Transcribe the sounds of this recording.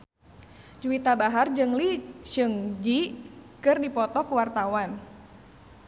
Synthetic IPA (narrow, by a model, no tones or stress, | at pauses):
d͡ʒuwit̪abaɦard͡ʒɨŋlit͡ʃɨŋd͡ʒikɨrdipɔt̪ɔkuwart̪awan